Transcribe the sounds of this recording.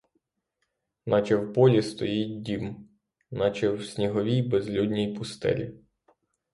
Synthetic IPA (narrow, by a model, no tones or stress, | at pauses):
nʔɑt͡ʃɛwbɔlʲist̪ɔjit̚ʲdʲim | nɑt͡ʃɛwsʲnʲiɦɔʋʲijbezlʲud̪ʲnʲijpʊst̪ɛ̰lʲḭ